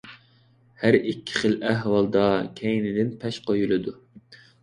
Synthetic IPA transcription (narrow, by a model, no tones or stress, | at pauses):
hæɾikʲʰːi̥χəlʔæɦwɑlˠd̪ɑkʲʰɛjnɪd̪ɪnpʰɛʃqʰojulˠɨd̪u